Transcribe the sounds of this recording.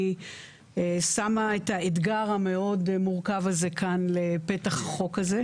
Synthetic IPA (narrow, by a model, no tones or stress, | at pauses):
esamaet̪aed̪ɡaʁame̞o̞dmuʁkavazekanle̞pe̞t̪aχχo̞kaze̞